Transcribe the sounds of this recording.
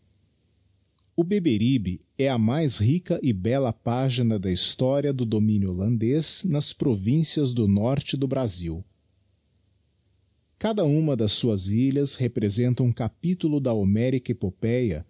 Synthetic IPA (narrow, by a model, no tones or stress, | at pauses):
ʊbebeɾibɪ | ɛɐmajshikɐʔɪbɛlɐpaʒinɐd̪ɐist̪ɔɾiɐd̪ʊd̪omĩnjʊolɐ̃nd̪eznɐspɾovĩsiɐzd̪ʊnɔɾt͡ʃɪd̪ʊbɾaziw | kad̪ɐũmɐd̪ɐsːuɐziʎɐshepɾezẽnt̪ɐũkapit̪ulʊd̪ɐamɛɾikɐepopɛjɐ̰